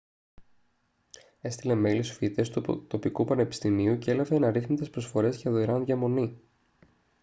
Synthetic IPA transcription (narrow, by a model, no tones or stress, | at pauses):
e̞st̪ile̞me̞lisu̥fit̪e̞st̪ut̪o̞pikupɐne̞pi̥st̪imiuceelɐve̞ːnɐɾiθmit̪espɾo̞sfo̞ɾe̞sʝɐðoiɾɐnðʝɐmo̞ni